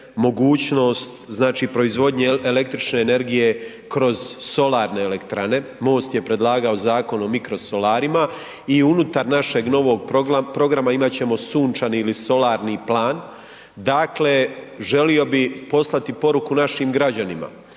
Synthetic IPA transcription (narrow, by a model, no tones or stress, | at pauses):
mo̞ɡuːt͡ɕno̞ːst̪znaːt͡ʃipɾo̞izʋo̞d̪ɲe̞ele̞k̚t̪ɾit͡ʃne̞ːne̞ɾɡije̞ | kɾo̞z̥so̞laːɾne̞ːlekt̪ɾane̞mo̞ːst̪jepɾe̞d̪lˠaːɡao̞zaːko̞no̞mikɾoso̞laːɾima | iunut̪aɾnaʃe̞ɡno̞ʋo̞ɡ̚popɾo̞ɡɾamaimat͡ɕe̞mo̞suːnt͡ʃaniːliso̞laːɾniplaːn | d̪akle̞ʒe̞lio̞bipo̞slˠat̪ipo̞ɾukunaʃimɡɾad͡ʑanima̰